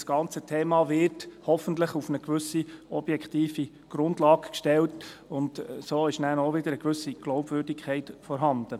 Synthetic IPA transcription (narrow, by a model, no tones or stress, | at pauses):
sɡ̥ɑnt͡sətʰeːmɑʋɪrthɔfəntləχufnəɡʋʏsiɔb̥jɛkʰt̪iːfi | ɡ̥ɾʊndlɑːɡkʃtɛltʊntsoːɪʃnæːnɔʋɪd̥̪əɾəɡʋʏsiɡ̥lɔʊbvʏːɾdikʰχɛɪtfɔɾɦɑnd̥̪ə